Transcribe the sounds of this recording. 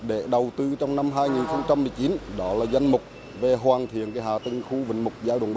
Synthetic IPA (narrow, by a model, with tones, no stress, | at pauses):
ɗe˧˩ɗə˨˩wt̪ɨ˧t͡ɕɔ˧wŋ͡mna˧mɦaː˧jŋi˨˩nxə˧wŋ͡mt͡ɕa˧mːɨ˨˩əjt͡ɕi˨˦nɗɔ˨˦laː˨˩za˧jŋ̟mʊ˨˩k͡p̚ | ve˨˩ɦwaː˨˩nt̪ʰḭ˧˨ənkaː˨˦jɦaː˨˩t̪ï˧ŋxu˧vḭ˨˦ŋ̟mʊ˨˩k͡p̚zaː˧jɗw̰a̰˧˨˩ɓ